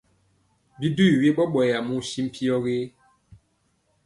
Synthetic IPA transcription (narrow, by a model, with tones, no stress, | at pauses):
bi˦du˦i˨wje˦ɓɔ˦ɓɔ˨ja˨mu˦si˦m̩˦pʰi˦ɔ˦ɣe˦